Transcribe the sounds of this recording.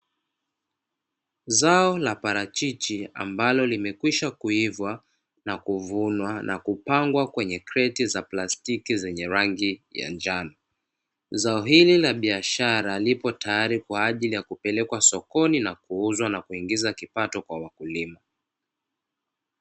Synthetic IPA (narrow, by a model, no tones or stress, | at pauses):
zaɔlapaɾat͡ʃit͡ʃia̰mbalɔlimɛkwiʃakuivwa | nakuvunwanʔa̰kupaŋɡwakwɛɲɛkɾɛtizaplastikizɛɲɛɾaŋɡija̰nd͡ʒanɔ | zaɔɦililaɓiaʃaɾalipɔtajaɾikwaːʄilijakupɛlɛkwasɔkɔninakuuzwanakuiŋɡizakipatɔkwawakulima